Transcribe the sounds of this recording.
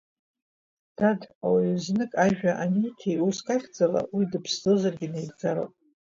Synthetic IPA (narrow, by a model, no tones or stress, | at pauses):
d̥ada̰waiznɨkʼaʒᶣaʔanitʰijuskʼaχʲd͡zʼala̰widɨpʰszɨzarɡʲɪnejrd͡zaɾa̰pʼ